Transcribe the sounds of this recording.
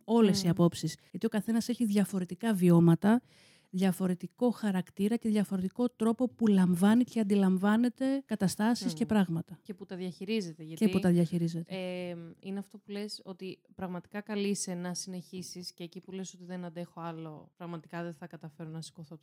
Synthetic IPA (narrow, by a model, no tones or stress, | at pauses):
o̞le̞siɐpo̞psisʝɐt̪io̞kɐθe̞nɐse̞çiðʝɐfo̞ɾe̞t̪ikɐvio̞mɐt̪ɐ | ðʝɐfo̞ɾe̞t̪iko̞xɐɾɐkt̪iɾɐce̞ðʝɐfo̞ɾe̞t̪iko̞t̪ɾo̞po̞pulɐɱvɐniceɐnd̪ilɐɱvɐne̞t̪e̞kɐt̪ɐst̪ɐsisce̞pɾɐɣmɐt̪ɐceput̪ɐðʝɐçiɾize̞t̪eʝɐteiput̪ɐðʝɐçiɾize̞t̪eemineɐft̪o̞pule̞so̞t̪ipɾɐɣmɐt̪i̥kɐkɐlisenɐsine̞çisisce̞ːcipuleso̞t̪iðenɐnd̪e̞xoɐlo̞pɾɐɣmɐt̪i̥kɐðeθɐkɐt̪ɐfe̞ɾonɐsi̥koθot̪